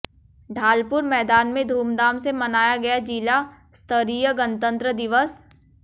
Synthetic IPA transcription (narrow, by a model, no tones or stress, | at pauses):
ɖʱaːlpʊɾmɛːd̪aːnmẽd̪ʱuːmd̪aːmsemɐnaːjaɡɐjad͡ʒiːla | st̪əɾiːjəɡə̃nt̪ə̃nt̪ɾəd̪ɪʋəs